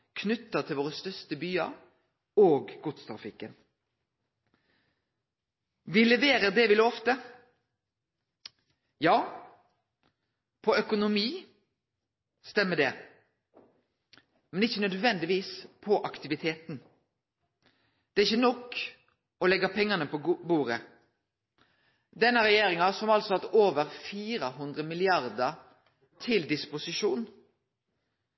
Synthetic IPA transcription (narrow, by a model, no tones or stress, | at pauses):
kʰnʉt̪ːət̪ʰɪlʋoːɾəst̪œst̪əbyːɑɾ | oːɡɡʊt̪st̪ʰɾɑ̰fɪkːən | ʋɪlɛʋeːɾəd̪ɛʋɪlɔft̪ə | jɑː | pʰɔœkʊnʊmiː | st̪ɛmːəd̪ɛ | mɛnɪçːənœd̪ʋɛnd̪ɪʋiːspʰɔʔɑkt̪ɪʋɪt̪ʰeːt̪n̩ | d̪̥ɛæɪçːənɔkː | ɔlɛɡɑpʰɛŋːənəpɔbuːɾə | d̪ɛnːəɾɛjeːɾɪŋɑsɔmɑlsɔɑt̪oːʋəɾfiːɾəɦʉnd̪ʁəmɪlɪɑɾd̪əɾ | t̪ʰɪld̪ɪspʊsɪʃuːn